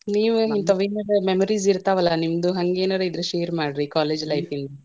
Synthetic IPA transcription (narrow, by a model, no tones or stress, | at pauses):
niːʋuint̪ɐʋeːnɐɾememoɾiziɾt̪aːʋɐlːɐnimɐd̪uɦɐŋɡeːnɐɾeid̪ɾeʃeːɾmaːɽɾikaːleːd͡ʒlɐjfʰind̪u